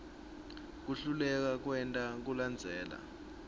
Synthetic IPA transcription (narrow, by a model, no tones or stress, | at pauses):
k̬uɬulɛk̬ak̬wɛntʼak̬uland͡zʱɛːla̰